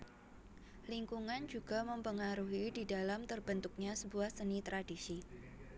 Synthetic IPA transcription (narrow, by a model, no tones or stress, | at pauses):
liŋkuŋand͡ʒuɡ̥aməmpəŋaɾuɦididalamt̪ərbənt̪ʊk̚ɲasəbuahsənit̪ɾadisi